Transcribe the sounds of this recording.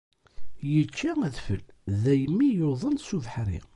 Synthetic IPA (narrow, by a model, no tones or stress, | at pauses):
jət͡ʃːææðfəlðæjəmːijoðˤənsuvħɾḭ